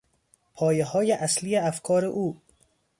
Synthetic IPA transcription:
pʰɒːjeɦɒːjeʔæsliːeæfkʰɒːɾeʔuː

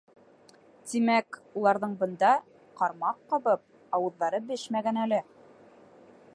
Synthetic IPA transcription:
t̪imækulˠɑɾðɤɴbɤ̆nd̪ɑ | qɑɾmɑqːɑβɤp̚ | ɑwɤ̆ðːɑɾɤbɘʃmæɡænælɘ

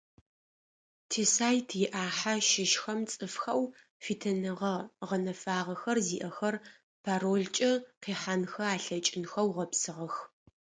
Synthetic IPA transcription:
tʰeːsaːjtʰjɪʔaːħaʃɪʃxɐmt͡sʼɨfxɐw | fiːtʰɐnɨʁɐʁɐnɐfaːʁɐxɐrziːʔɐxɐr | pʰaːroːɮt͡ʃʼɐqiːħanxɐaːɬɐt͡ʃʼɪnxɐwʁɐpsɨʁɐx

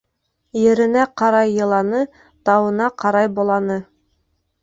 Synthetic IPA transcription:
jɘ̆ɾɘ̆næqɑɾɑjːɤ̆lˠɑnɤ | t̪ɑwɤ̆nɑqɑɾɑjbolˠɑnɤ

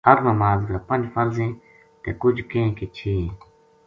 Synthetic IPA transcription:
ɦəɾnəmaːzɡaːpə̃nd͡ʒfəɾzẽː | t̪ḛːkʊd͡ʒkẽkeːt͡ʃʰĩː

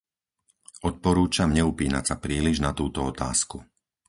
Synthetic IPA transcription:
ɔt̪̚pɔɾuːt͡ʃamɲɛupiːna̰csapɾiːliʒnat̪uːt̪ɔɔt̪a̰ːsku

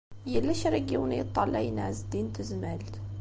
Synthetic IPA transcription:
jælːæʃɾˤɑɡiwnjət̪ˤːɑlːæjnʕzd̪int̪əzmælt̪

